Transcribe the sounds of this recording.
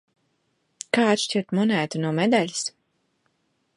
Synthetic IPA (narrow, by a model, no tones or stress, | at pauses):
kaːt̪ʃt͡ʃiɾt̪mɔnæːt̪unuɔmɛd̪alʲi̥s